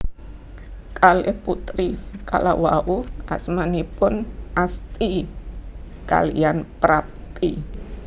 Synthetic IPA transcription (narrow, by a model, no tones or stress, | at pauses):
kʰalɪhput̪ɾikʰa̰lawaʔuʔasmanipʊnast̪i | ka̰lijanpɾap̚t̪i